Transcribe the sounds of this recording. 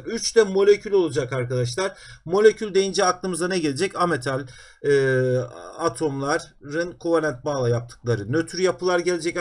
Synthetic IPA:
yt͡ʃt̪ɛmo̞lʲecʰylʲo̞lˠad͡ʒakaɾkad̪aʃ̬lˠaɾ̥mo̞lʲecʰylʲd̪e̞jind͡ʒɛaklˠɯmɯzanɛɟe̞lʲed͡ʒɛcamet̪ʰalʲ | ɯː | at̪ʰo̞mlˠaɾːɯnkʰuvanɛnt̪̚malˠajap̚t̪ʰɯ̥k̚lˠaɾɯnøt̪ʰyɾjapɯlˠaɾɟe̞lʲed͡ʒɛc

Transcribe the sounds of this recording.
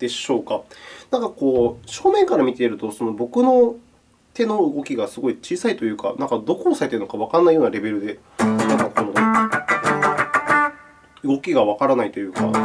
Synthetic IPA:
d̪̥e̞ɕo̞ːkanãŋkako̞ːɕo̞ːmẽ̞ŋkaɾamʲit̪e̞iɾɯ̟t̪o̞so̞no̞bo̞kɯ̟no̞ | t̪e̞no̞ɯ̟ɡo̞kʲiɡasɨɡo̞it͡ɕiːsait̪o̞jɯ̟ːka̰nãŋkad̪o̞kosaɾet̪eɯno̞kaβ̞akãnːaijo̞ːnaɾe̞be̞ɾɯ̟d̪e̞ | nakakot̪omod̪o | ɯ̟ɡo̞kʲiɡaβakaɾanait̪o̞jɯ̟ːka̰

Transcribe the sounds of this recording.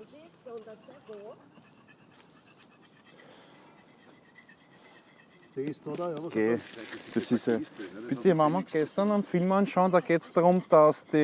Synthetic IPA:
kʰeːd̪̥esisepɪt̪əmamaɡ̥ɛst̪ɐnanfilmanʃaʊnd̥̪aːɡeːtsd̥aʁʊmd̪̥asd̪̥e

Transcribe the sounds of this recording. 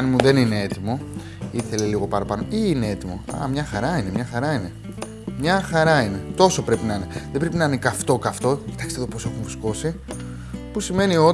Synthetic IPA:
nimuðenine̞et̪imo̞ | iθe̞leliɣo̞pɐɾɐpɐno̞iːne̞e̞t̪imo̞ɐ̰mɲɐxɐɾɐine̞mɲɐxɐɾɐine | mɲɐxɐɾɐine̞t̪o̞so̞pɾe̞pinɐine̞ðe̞bɾe̞pinɐnekɐft̪o̞kɐft̪o̞ci̥t̪ɐkst̪eðopose̞xumusko̞si | pusime̞nio̞

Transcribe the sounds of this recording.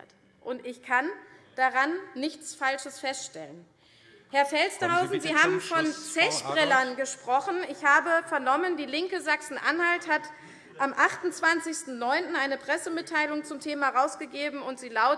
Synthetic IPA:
t | ʔʊntɪçkʰand̥aʁanːɪçt͡sfalʃəsfɛstʃtɛlən | hɛɐfɛlsd̥əhaʊzn̩ziːɦaːbm̩fɔnt͡sɛçb̥ʁɛlɐnɡəʃpʁ̥ɔχn̩ɪçhaːbəfɛɐnɔməndiːlɪŋkəzaksn̩ʔa̰nhalthat | ʔamʔaχtʊnt͡sv̥ant͡sɪçstn̩nɔʏntn̩aɪnəpʁ̥ɛsəmɪtʰːaɪlʊŋt͡sʊmtʰeːmaʁaʊsɡ̥əɡeːbm̩ʊntz̥iːlaʊ

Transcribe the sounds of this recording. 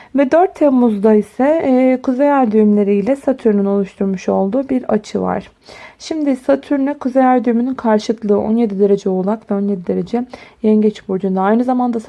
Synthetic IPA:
vɛd̪øɾt̪ʰːɛmuzd̪aisɛkʰuzejæɾd̪yjymlʲe̞ɾiːlʲɛsat̪ʰyɾnyno̞lˠuʃt̪ʰuɾmuʃo̞lˠd̪uːbiɾat͡ʃʰɯva̰ɾ̥ | ʃimd̪isat̪ʰyɾnykʰuzejæɾd̪yymynynkʰaɾʃɯklˠɯːʔo̞nje̞d̪id̪e̞ɾe̞d͡ʒɛolˠakvɛo̞nje̞d̪id̪e̞ɾe̞d͡ʒɛjɛɲɟɛt͡ʃbuɾd͡ʒund̪aajnɯzamand̪a

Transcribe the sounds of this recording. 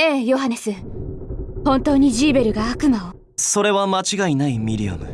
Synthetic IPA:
eːjo̞ɦane̞sɨ | hõ̞nt̪o̞ːɲ̟iʑiːbe̞ɾɯ̟ɡaːkɯ̟mao | so̞ɾe̞βamat͡ɕiɡainaimʲiɾʲḭa̰mɯ̟̰

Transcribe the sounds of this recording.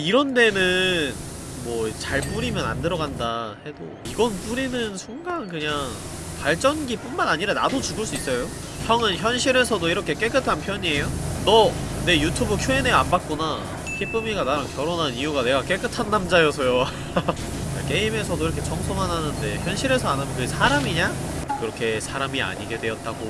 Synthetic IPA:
iɾʌnde̞nɯn | mwʌt͡ɕaɭp͈uɾimjʌna̰ndɯɾʌɡandahe̞do̰ | iɡʌnp͈uɾinɯnsʰuŋɡankɯɲaŋ | paɭt͡ɕ͈ʌnɡip͈unmanaɲiɾana̰dot͡ɕuɡɯɭs̬͈uis͈ʌjo | sʰjʌŋɯnçjʌnɕʰiɾe̞sʰʌdoiɾʌkʰe̞k͈e̞k͈ɯtʰanpʰjʌɲie̞jonʌ | ne̞jutʰubɯɭkʰoeneambat̚k͈una | kʰip͈ɯmiɡanaɾɯnkjʌɾonɦanijuɡane̞ɡak͈e̞k͈ɯtʰanːamd͡ʑajʌsʰʌjo | kak͈e̞ime̞sʰʌdoiɾʌkʰe̞t͡ɕʌŋsʰomanɦanɯnde̞çjʌnɕʰiɾe̞sʰʌanamjonkɯsʰaɾamiɲa | kɯɾʌkʰe̞sʰaɾamia̰ɲiɡe̞dwe̞ʌt̚t͈aɡo

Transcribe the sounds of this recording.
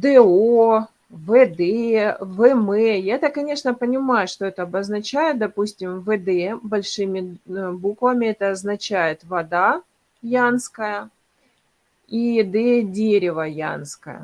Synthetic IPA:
d̪ɛo | vɛd̪ɛvɛmɛjaɛt̪əkːɐnʲe̞ʂnəpənʲɪmajʊʂt̪oɛt̪əɐbəznɐt͡ɕæjɪt̪̚d̪ɐpusʲtʲɪmvəd̪ɛbɐlʲʂɨmʲɪbukvəmʲɪɛt̪əɐznɐt͡ɕæjɪt̪vɐd̪a | janskəjə | id̪ɛdʲeɾʲɪvəja̰nskə̰jə̰

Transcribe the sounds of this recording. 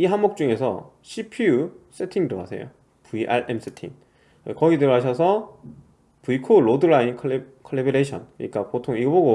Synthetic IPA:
iɦamok̚t͡ɕ͈uŋe̞sʰʌ̰ɕʰipʰius͈ʰetʰiŋdoɦa̰sʰe̞̰jo̰ | puiʔa̰ɭʔems͈ʰetʰḭŋ | ekʌɡidɯɾɦaɕ̬ʰʌsʰʌ | puikʰoɾodɯɾainkʰkʰʌɭːebeɾeɕʰʌnkɯɲik͈apotʰoŋiɡʌboɡo

